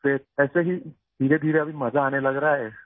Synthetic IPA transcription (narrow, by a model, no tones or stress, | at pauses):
teɛːseɦiː | d̪ʱiːɾed̪ʱiːɾeəʋ̤iːməd͡zʱaːñeləɡɾaɦe